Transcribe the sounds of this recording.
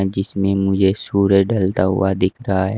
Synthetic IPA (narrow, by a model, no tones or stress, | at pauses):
d͡ʒɪsmẽmʊd͡ʒʱesuːɾəd͡ʒɖəlt̪aɦʊ̰ad̪ɪkʰɾɐɦaɦɛ